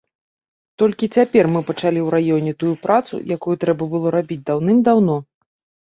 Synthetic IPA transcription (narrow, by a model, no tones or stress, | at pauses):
t̪ɔlʲkʲit͡sʲapʲɛrmɨpɐt͡ʂalʲiwɾajɔnʲɛt̪ujupɾat̪sṵjakujut̪ɾɛbɐbɨlˠɔɾabʲid͡zʲd̪awnɨmd̪awnɔ